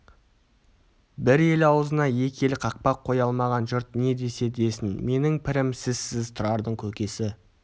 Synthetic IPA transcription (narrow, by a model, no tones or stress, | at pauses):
bɪɾe̞lɑwəzənɑje̞kʲe̞lkʰɑq̚pɑqʰːo̞jɑlˠmɑʁɑnʒʊɾt̪ne̞d̪ese̞d̪e̞sɪnme̞nɪŋpʰɪɾɪmsɪz̥sɪzt̪ʰʊɾɑɾd̪əɴkʲʰɵkʲe̞sɪ